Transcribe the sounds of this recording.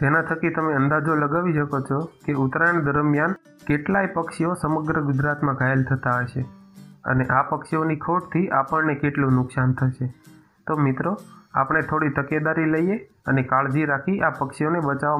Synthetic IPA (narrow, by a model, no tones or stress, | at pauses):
d͡ʒenat̪ʰəkit̪əmeənd̪ad͡ʒoləɡaʋiʃəkot͡ʃʰokeʊt̪ɾaɳd̪əɾmjan | keʈlaipəkʃiosəməɡɾəɡʊd͡ʒɾat̪mãɡʱaelt̪ʰət̪aəʃeə̰neʔapəkʃionikʰoʈt̪ʰiʔapəɳnekeʈlũnʊksant̪ʰəʃe | t̪omɪt̪ɾoa̰pəɳ̃et̪ʰoɽit̪əked̪aɾiləije | ənekaɭd͡ʒiɾakʰiʔapəkʃionebət͡ʃaʋa